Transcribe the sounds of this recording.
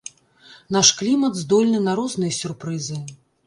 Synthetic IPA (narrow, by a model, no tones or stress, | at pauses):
naʂklʲimɐd̪zd̪ɔlʲnɨnaɾɔznɨjɐsʲurpɾɨzɨ